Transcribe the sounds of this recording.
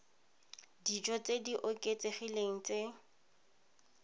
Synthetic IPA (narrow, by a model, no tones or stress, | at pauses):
did͡ʒɔt͡sediʔʊkʼet͡seχileŋ̩t͡sʼe